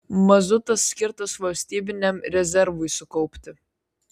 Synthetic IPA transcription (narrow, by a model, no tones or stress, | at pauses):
mɐzʊt̪ɐsːʲkʲɪɾt̪ɐsʋɐlʲsʲt̪ʲiːbʲɪnʲɛmɾʲɛzʲɛɾʋʊɪsʊkɔʊpʲt̪ʲɪ